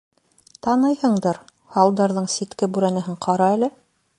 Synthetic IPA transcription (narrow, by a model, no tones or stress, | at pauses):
t̪ɑnɤjhɤ̆ɴd̪ɤɾ | hɑlˠd̪ɑɾðɤɴsit̪kɘbʉɾænɘ̆ɦɘɴqʰɑɾɑælɘ